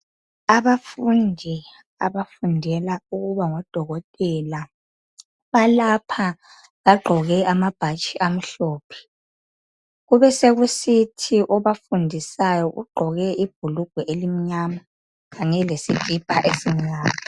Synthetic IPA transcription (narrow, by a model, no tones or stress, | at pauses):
aβafundʱi | a̰βafundʱɛlauɣuβaŋɔd̥ʱɔɣɔtʼɛla | βalapʰa | βaɡ͡ǃʱɔɣɛamab̥ʱat͡ʃʼiʔam̩ɬɔːpʰɛ̥ | ɣuβɛseɣusitʰiʔɔβafundʱisajɔʔṵɡ͡ǃʱɔɣɛib̥ʱuluɡ̥ʱwɛʔelim̩ɲama | ɣaɲɛlesid̥ʱib̥ʱaʔesiɲaːma